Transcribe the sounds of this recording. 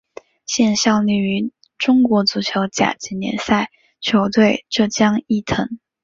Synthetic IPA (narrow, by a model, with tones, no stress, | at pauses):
ɕjɛ˥˧nɕjɑ˥˧ʊli˥˩y˧˥ | ʈ͡ʂʊ˥ŋkwɔ˧˥t͡su˧˥t͡ɕʰjo˧˥ʊt͡ɕja̰˨˩t͡ɕi˧˥njɛ̰˧˥nsa˥˩ɪ | t͡ɕʰjo˧˥ʊt̪we˥˧ɪʈ͡ʂɤ˥˩t͡ɕjɑ˥ŋi˥˩t̪ʰɤ˧˥ŋ